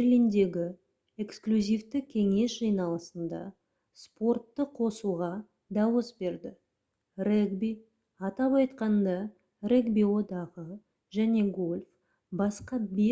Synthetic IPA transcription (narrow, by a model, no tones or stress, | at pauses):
berlʲijnd̪e̞ɡʲɪ | e̞ksklʲuzʲijft̪ɪkʲʰe̞ŋe̞sʒɑjnɑlˠəsənd̪ɑ̰ | spo̞rt̪ːəqʰo̞suʁɑ | d̪ɑwəsbe̞ɾd̪ɪ | reɡbi | ɑt̪ɑpɑjt̪qɑnd̪ɑ | re̞ɡbiwo̞d̪ɑʁə | ʒæne̞ɡo̞lʲf | bɑsqɑbe